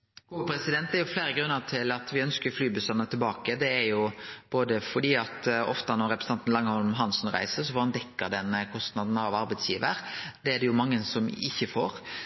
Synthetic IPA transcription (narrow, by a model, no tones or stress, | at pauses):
ɡuːəpʰɾɛsɪd̪ɛnt̪̚d̪æɾjʊflæːɾəɡɾʉnːəʈ̪ʰɪlɑt̪ʋɪœnskəɾflyːbʉst̪ɑnət̪ʰɪlbɑːkəd̪ɛæɾjʊb̥oːd̪əfɔɖ̪iːɑt̪ɔ̰ft̪ənɔɾːɛpɾəsn̩ɑnt̪nlɑŋːəhɔlmmɦɑnsnɾæ̰ɪsəɾsɔfɔɾɑnd̪ɛkːəɾd̪ɛnːəkʰɔst̪nɑd̪n̩ɑʋɑɾbæɪd̪sjiːʋəɾd̪ɛæd̪ɛjʊmɑŋːəsɔmɪçːəfoːɾ